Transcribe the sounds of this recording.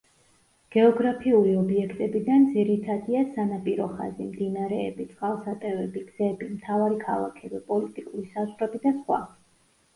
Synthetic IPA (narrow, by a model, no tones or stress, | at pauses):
ɡ̥ɛɔɡɾapʰiuliɔbiɛkʰt̪ʼɛbid̪and̪ziɾit̪ʰad̪iasanapʼiɾɔχa̰zimd̪inaɾɛːbit̪sʼqʼalˠsat̪ʼɛvɛbiɡz̥ɛbimt̪ʰavaɾikʰa̰lˠa̰kʰɛbipʼɔlit̪ʼikʼuɾisazʁɾɛbid̪asχwa̰